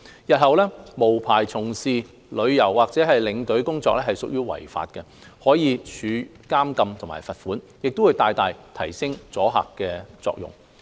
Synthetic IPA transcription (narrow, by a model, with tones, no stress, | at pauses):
jɐ˨t̚hɐ˨wlɛː˥mo˨˩wpʰaː˨˩jt͡sʰʊ˨˩ŋsiː˨˩ | lɵ˨˧ɥjɐ˨˩wːaː˨k̚t͡sɛː˨˥ɦɐ˨jlɪ˨˧ŋt̪ɵ˨˥ɥkʊ˥ŋt͡sɔː˧k̚lɛː˥hɐ˨jsʊ˨k̚jyː˥wɐ̰˨˩jfa̰ː˨t̚kɛ˧ | hɔː˨˥jiː˨˧t͡ʃʰyː˨˧ | kaː˥mkɐ˧mt̪ʰʊ˨˩maː˨˩jfɐ˨t̚fuː˨˥n | jɪ˨k̚t̪ʊ˥wuː˨˧jt̪aː˧jt̪aː˨jt̪ʰɐ˨˩jsɪ˥ŋt͡sɔː˨˥ɦa̰ː˨kːɛː˧t͡sɔ̰ː˧k̚jʊ̰˨˩ŋ